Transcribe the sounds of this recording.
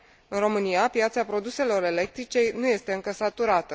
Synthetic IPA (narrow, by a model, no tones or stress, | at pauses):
ɨnɾo̞mɨnijapjat̪sapɾo̞d̪use̞lo̞ɾe̞le̞k̚t̪ɾit͡ʃe̞jnuje̞st̪e̞ɨŋkəsat̪uɾat̪ə